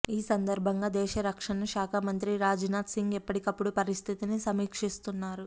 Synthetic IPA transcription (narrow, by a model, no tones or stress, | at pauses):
iːsɐnd̪ɐɾbʱɐŋɡaːd̪ɛːʃɐɾɐkʂɐnɐʃaːkʰamɐnt̪ɾiɾaːd͡ʒinaːt̪siŋɡɛpːɐʈikɐpːuɽupɐɾist̪ʰit̪inisɐmiːkʂist̪unːaːɾu